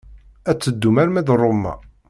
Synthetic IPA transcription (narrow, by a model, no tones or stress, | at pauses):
æt͡sːəd̪ːumæɾmæðrˤomːæ̰